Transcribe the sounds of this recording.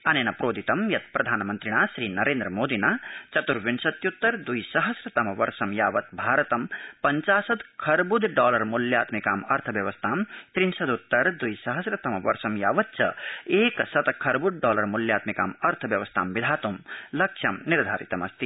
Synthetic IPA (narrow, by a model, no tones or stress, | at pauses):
ɐneːnapɾoːd̪ʱit̪ɐmjɐt̪̚pɾɐd̪ʱaːnmɐnt̪ɾiɽ̃asɾiːnɐɾeːnd̪ɾəmoːd̪inaːt͡ʃɐt̪uɾʋinsɐt̪jut̪ːɐɾd̪ujsɐɦəsɾɐt̪ɐmɐʋɐɾsɐmjaːʋɐt̪̚bʱaːɾɐt̪ɐmpɐɲt͡ʃaːsɐd̪kʰɐɾbud̪ɖɔːlɐɾmuljaːt̪mikaːmɐɾt̪ʰəbjɐʋɐst̪ʰaːmt̪ɾinsɐd̪ut̪ːɐɾd̪ujsɐɦɐsɾɐt̪ɐmɐʋɐɾsɐmjaːʋɐt̪̚t͡ʃɐeːksɐt̪kʰɐɾbud̪̚ɖɔːlɐɾmuljaːt̪mika̰ːmɐɾt̪ʰəbjɐʋɐst̪ʰa̰ːmbid̪ʱaːt̪umlɐkʂʰɐmniɾd̪ʱa̰ːɾḭt̪ɐmɐst̪i